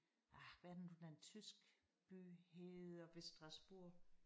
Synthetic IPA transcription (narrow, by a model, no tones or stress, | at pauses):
ʔaʋæɐd̥n̩d̥unæent͡sʰysɡ̥ | b̥y̰ːheð̩ˠɒ̽ʋe̝sd̥ʁɑ̈sb̥uɐ̰